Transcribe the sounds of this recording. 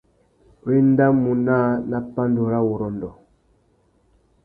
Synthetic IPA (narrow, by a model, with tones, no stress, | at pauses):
we˦n˦da˦mu˨na˦na˦pa˦ndo˨ɾa˦wo˨ɾɔ˨ndɔ˨